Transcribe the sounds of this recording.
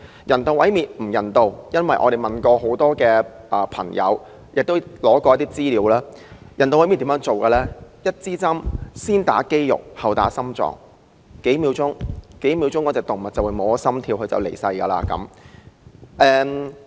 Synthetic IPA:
jʔɐ˨˩nt̪o˨wɐ˨˥jmiː˨˩t̚m̩˨˩jɐ˨˩nt̪o˧wjɐ˥nwɐ˨jʔɔ̰ː˨˧e˨jmɐ˨nkɔː˧ɦo˨˥wt̪ɔː˥kɛː˧ | ʔɐː˨˩pʰɐ̰˨˩ŋjɐ̰˨˧w | jɪ˨k̚t̪o˥wlɔː˨˥kɔː˧jɐ˥t̪iː˥t͡siː˥liː˨˧˥wlaː˥ | jɐ˨˩nt̪o˨wɐ˨˥jmiː˨t̪i˨˥jœː˥ŋt͡so˨wkɐː˧lɛː˥jɐ˥t̚t͡siː˥t͡sɐ˥msiː˥nt̪aː˨˥ke˥jjʊ̰˨˩k̚hɐ˨˩wt̪a̰ː˨˥sɐ˥mt͡sɔ̰ː˨˩ŋ | ke˨˥jmiː˨˧wt͡sʊ˥ŋke˨˥jmiː˧wt͡sʊ˥ŋkɔ˨˥t͡sɛː˨˩kt̪ʊ˨˩ŋmɐ˨t̚t͡sɐ˨wu˨˧jmo˨˧sɐ˥mt̪ʰiː˧whɵ˧t͡sɐ̰˨˩wle˨˩jsɐ˧jkɐː˧la̰ː˧kɐ̰˨˥m | ʔɛː˧

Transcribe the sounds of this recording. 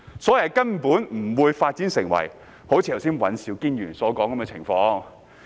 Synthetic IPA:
sɔː˨˥jjkɐ˥npuː˨˥nm̩˨˩wuː˨˧jfaː˧t̚t͡si˨˥nsɪ˨˩ŋwɐ̰˨˩j | ho˨˥wt͡ɕʰiː˧˩hɐ˨˩wsiː˥nwɐ˨˥nsiː˨˧wkiː˥nɥyː˨˩nsɔː˨˥kɔː˨˥ŋkɐ˨˥mkɛ˧t͡sʰɪ˨˩ŋfɔː˧ŋ

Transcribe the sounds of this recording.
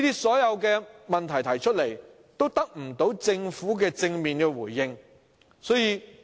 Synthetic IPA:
iː˥t̪iː˥sɔː˨˥jɐ˨˧wkɛː˧mɐ˨nt̪ʰɐ˨˩jt̪ʰɐ˨˩jt͡ʃʰɵ˥t̚le˨˩j | t̪o˥wt̪ɐ˥k̚m̩˨˩t̪o˨˥wt͡sɪ˧ŋfuː˨˥kɛː˧t͡sɪ˧ŋmiː˨nkɛː˧wuː˨˩jːɪ˧ŋ | sɔː˨˥jiː˧

